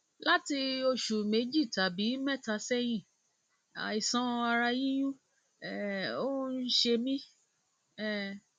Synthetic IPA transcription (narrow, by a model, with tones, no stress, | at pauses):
la˦ti˧o˧ʃu˨me˨˦d͡ʒi˦˨ta˨bi˨˦mɛ˦˨ta˧sɛ˦j̃ĩ˦˨ | a̰˨i˨sã˨˦˧a˧ɾa˧jĩ˦j̃ũ˦ | ɛ˨o˦n̩˦ʃe˧mĩ˦ | ɛ˦˨